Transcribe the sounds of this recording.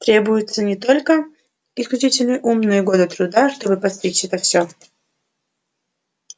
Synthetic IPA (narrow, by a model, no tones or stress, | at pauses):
t̪ɾʲe̞bʊjɪt̪sənʲɪt̪o̞lʲkə | ɪsklʲʉt͡ɕitʲɪlʲnɨjʔumnɨjəɡo̞d̪ɨt̪ɾʊd̪aʂt̪o̞bɨpɐst̪ʲɾʲit͡ɕʲɛt̪əfsʲo